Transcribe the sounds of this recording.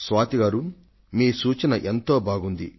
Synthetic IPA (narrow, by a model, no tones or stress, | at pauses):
sʋaːt̪iɡaːɾu | miːsuːt͡ʃɐnɐʔent̪o̞ːbʱaːɡund̪ḭ